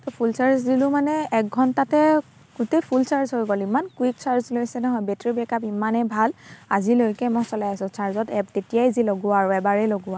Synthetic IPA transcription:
tɔpʰulsaɹzdilʊmanɛɛk̚ɡʱɔntatɛ | ɡ̥utejpʰulsaɹzɦojɡolimankwik̚saɹzlojsɛnɔɦɔjbɛtɹibɛkapimanɛbʱalazilojkɛmɔsɔlajasʊ̃sʰaɹzɔtɛptetijajziloɡʊaɹɛbaɹɛloɡʊa

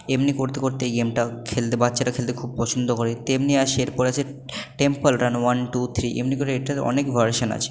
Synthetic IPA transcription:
emnikoɾt̪ekoɾt̪eɡemʈakʰelt̪ebatːɕaʈakʰelt̪̬ekʰub̚pɔt͡ɕʰond̪okoɾet̪emniaʃeeɾpɔɾeat͡ɕʰe | ʈempəlɾanwanʈut̪ʰɾiʔḛmnikoɾeeʈaɔ̰nekvʱɐɾʃona̰t͡ɕʰe̥

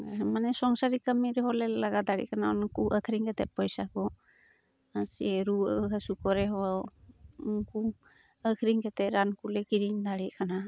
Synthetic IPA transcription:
manesɔŋsaɾikamiɾhɔlelaɡad̪aɽḭkʰanaɔnkuʔəkʰɾiŋkʰetepɔjsakɔ | aseɾuəɦasukɔɾeɦɔ | uŋku | əkʰɾiŋketeɾankulekiɾiŋd̪aɾikʰana

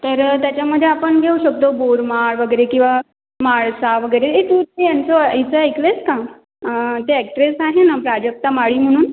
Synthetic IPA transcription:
t̪əɾt̪jat͡ɕjaməd̪ʱːjeapəɳɡʱeuɕək̚t̪oboɾmaɭʋəɡəjɾekĩw̃ʋa | maɭsaʋəɡəjɾeet̪ut̪ejant͡soit͡səəjkleska | ət̪eɛk̚ʈɾesaɦenapɾad͡ʑək̚t̪amaɭiːm̤əɽ̃uːn

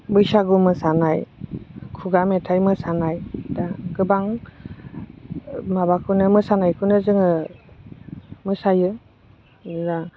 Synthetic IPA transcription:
bɯjsaɡumɯsanaj | kʰuɡametʰajmɯsanajdaɡɯbaŋ | mabakʰɯnɯmɯsanajkʰɯnɯzɯŋɯ | mɯsajɯ | ɾa

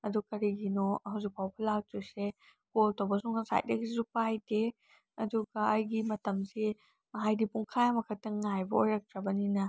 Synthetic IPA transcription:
ɐdukɐɾiɡinɔhawzik̚pʰawpʰɐlaw̚tuse | koltowbɐsuŋasa̰jt̚ɐ̰ɡizupajde | ɐduɡɐɐjɡimɐtɐmse | mɐɦajdipuŋkʰajamɐkʰɐtɐŋajbɐojɾɐk̚tɾɐbɐninɐ

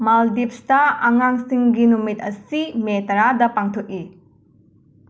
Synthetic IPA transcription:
maldip̚stɐaŋaŋsiŋɡinumit̚ɐsimetɐɾadɐpaŋtʰok̚i

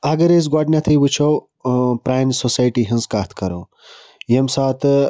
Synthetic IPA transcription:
ɐɡɐɾez̬ɡaːɖnʲat̪ʰijwut͡ɕʰow | pɾaːjnsosaːjʈiɦinzkaːt̪ʰkɐɾoː | jemsaːt̪

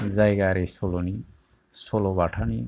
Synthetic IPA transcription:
zajɡaɾesoloni | solɔbaʈʰani

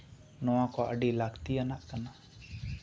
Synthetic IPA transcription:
nɔwãkɔə̰ɖilakt̪ianaʔkana

